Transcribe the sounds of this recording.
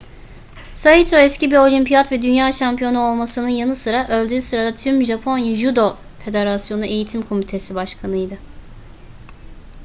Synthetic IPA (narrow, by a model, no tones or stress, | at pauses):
sait̪ʰoɛscibio̞lʲimpijat̪vɛd̪ynjaːʃampijo̞nuo̞lˠmasɯnɯnjanɯsɯɾaʔø̞lʲd̪yːsɯɾad̪at̪ʰyɾmʒapʰo̞njaʒud̪o̞ | fe̞d̪e̞ɾasjo̞nuʔe̞jit̪ʰimkʰo̞mit̪ʰe̞sibaʃkʰanɯjd̪ɯ